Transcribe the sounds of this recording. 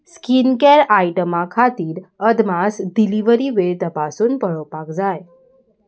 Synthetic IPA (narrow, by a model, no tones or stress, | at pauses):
skinkeɾajʈəmakʰat̪iːɾəd̪masɖiliʋəɾiʋeɭt̪əpasuːnpəɭɔpakd͡zaj